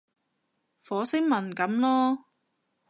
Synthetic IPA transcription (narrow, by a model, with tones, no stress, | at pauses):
fɔː˨˥sɪ˥ŋmɐ˨˩nkɐ˨˥mlɔː˥